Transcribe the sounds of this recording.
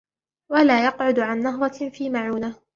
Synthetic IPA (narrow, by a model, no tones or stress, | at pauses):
walaːjɑqʕʊd̪ʕanːaɦɾˤɑfiːmaʕuːnaː